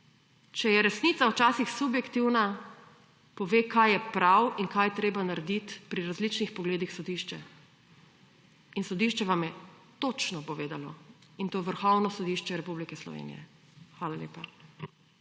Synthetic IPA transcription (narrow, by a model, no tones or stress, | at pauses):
t͡ʃɛjɛɾɛsnit̪sawt͡ʃaːsixsubjɛkt̪iwna | pɔʋeːkajjɛpɾawinkajt̪ɾeːbanaɾɛd̪it̪pɾiɾazlit͡ʃnixpɔɡleːd̪ixsɔd̪iʃt͡ʃɛ | insɔd̪iʃt͡ʃɛʋamjɛ | t̪ot͡ʃnɔpɔʋeːd̪alɔ̰int̪oːʋəɾxɔwnɔsɔd̪iʃt͡ʃɛɾɛpublikɛslɔ̰ʋḛːnḭjɛ̰ | xʋaːlalʲjḛːpa